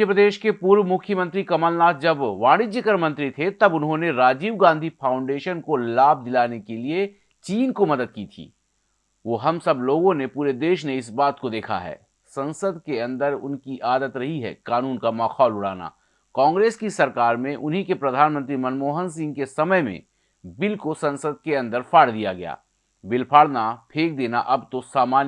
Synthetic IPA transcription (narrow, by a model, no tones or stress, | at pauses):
jəpɾəd̪eːʃkepuːɾʋmʊkʰjəmə̃nt̪ɾikɐməlnaːt̪̚ʰd͡ʒɐbʋaːɽ̃ɪd͡ʒekəɾmɐ̃nt̪ɾit̪ʰet̪ɐbʊnɦõneɾaːd͡ʒiːʋɡãːnd̪ʱifʰaːʊ̃ɳɖeːʃənkolaːb̚ʱd̪ɪlaːnekelie | t͡ʃiːnkomɐd̪əd̪̚kit̪ʰḭː | ʋoːɦɐmsɐbloːɡõnepuːɾed̪eːʃneɪsbaːt̪kod̪eːkʰa̰ɦɛ̰ː | sɐ̃nsəd̪keɐ̃nd̪əɾʊ̰nkiʔaːd̪ət̪ɾɐɦiɦɛ̰ːkaːnuːnkamaːxʰɔːlʊɽ̤aːna̰ː | kɔ̃ːŋɡɾeːskisɐɾkaːɾmẽʔʊnɦikepɾɐd̪ʱaːnmə̃nt̪ɾimɐnmoːɦə̃ns̬ɪ̃ŋɡkesɐməjmḛ̃ | bɪlkosɐ̃nsəd̪̚keɐ̃nd̪əɾfaːɽd̪ijaɡɐja̰ː | bɪlpʰaːɽnapʰeːk̚d̪eːnaʔɐbt̪osaːmaːn